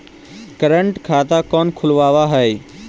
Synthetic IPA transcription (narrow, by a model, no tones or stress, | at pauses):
kəɾəɳʈkʰaːt̪akɔːnkʰʊlʋaːʋaɦɛj